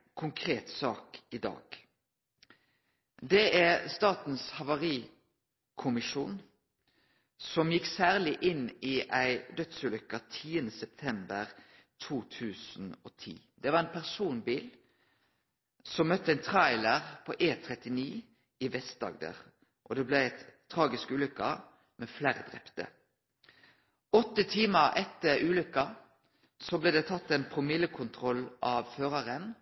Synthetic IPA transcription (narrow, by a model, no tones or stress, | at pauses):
kʰʊŋkʰʁeːt̪sɑːkɪd̪ɑ̰ːɡ̥ | d̪ɛʔæʁst̪ɑːt̪n̩shɑʋɑʁiː | kʰʊmɪʃuːn | sɔmjɪksæːʁlɪʔɪniːʔæɪd̪œt̪səlʏkːɑt̪ʰiːənəsɛp̚t̪ʰɛmbəʁ | t̪ʰuːt̪ʰʉːsn̩oːt̪ʰḭːd̪̥ɛʋɑʁɛnpʰæʁsuːnbiːl | sɔmːœt̪ːəɛnt̪ʰʁæɪləʁpʰoːʔeːt̪ʰʁɛt̪ɪniː | ɪʋɛst̪̚d̪ɑ̰ːɡd̪ə̰ʁ | ʔɔd̪ɛblæɛt̪ʰː | ʁɑːɡɪskʉːlʏkːɑ | mɛfleːʁəd̪ʁɛ̰pt̪ə̰ | ɔt̪ːət̪ʰiːməɛt̪ːəʁʉːlʏkːɑ | sɔbleːd̪ɛt̪ʰɑt̪ːɛnpʰʁʊmɪlːəkʰʊnt̪ʰʁɔlːʔɑʋføːʁɑʁən